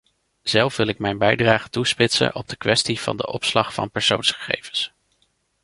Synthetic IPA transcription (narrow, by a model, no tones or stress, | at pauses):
z̥ɛlˠfʋɪlɪk̚mɛjnbɛjdraːχətuspɪtsə̰nʔɔb̚dəkʋɛstiv̥ɑ̰ndəʔɔpslɑχfɑ̰npɛɹsownsχə̥χḛjvəns